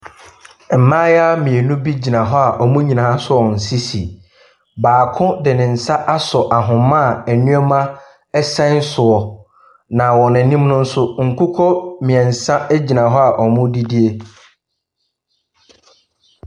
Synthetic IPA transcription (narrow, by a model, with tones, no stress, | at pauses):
m̩˨mã˦ja˦mĩ˨ɛ˨nũ˦bi˦d͡ʑi˨nã˨ɦɔ˦a˨ʔɔ˨mʊ̃˦ɲĩ˨nã˨a˦sʊ˦ɔ˨n̩˨si˦si˨ | baː˨kʰʊ̃˦dɪ˨nɪ̃˨n̩˨sa˦ʔa˦sɔ˨ʔa˨ɦʊ̃˨mã˦˨æ˨nũ˦ɛ˦mã˦ | ɛ˦sɛ̃˦n̩˦sʊ˨ɔ˨ | nã˨wɔ˨nɪ̃˨nĩ˦mnʊ̃˦n̩˦sʊ˦ŋ̩˨kʰu˦kʰɔ˦mĩ˨ɛ̃˨n̩˨sã˦ɛ˦d͡ʑi˨nã˨ɦɔ˦a˨ʔɔ˨mʊ̃˦di˦di˦e˦